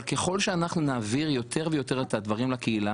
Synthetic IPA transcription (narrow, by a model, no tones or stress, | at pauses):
lke̞χo̞lʃeanaχnunaːviʁjo̞t̪ʰe̞ʁvejo̞t̪e̞ʁet̪had̪vaʁimlakeila